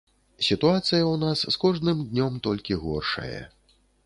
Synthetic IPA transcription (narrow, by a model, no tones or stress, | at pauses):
sʲit̪uat̪sɨjɐwnasːkɔʐnɨmd̪ʲnʲɔmt̪ɔlʲkʲiɣɔ̰rʂɐ̰jɐ̰